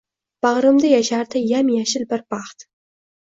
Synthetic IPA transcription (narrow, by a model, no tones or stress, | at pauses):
b̥aʁɾɨmd̪ajaʃaɾt̪ɪjamjaʃɪlbɪɾbɑχt̪